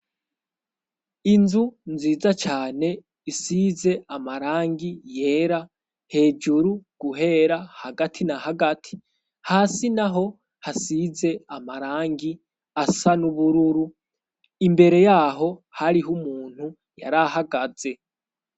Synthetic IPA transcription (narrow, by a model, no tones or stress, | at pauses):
inzunziːzat͡ʃaːne̞ | isize̞ʔamaɾaːŋɡije̞ːɾa | he̞ːd͡ʒuɾuɡ̥uɦe̞ɾahaɡatʰinahaɡatʰi̥ | haːsinaɦo̞ | hasize̞amaɾaːŋɡi | asanuβuɾuɾu | imbe̞ɾe̞jaːɦo̞haɾiɦumuːn̥hu | ja̰ɾahaɡaze̞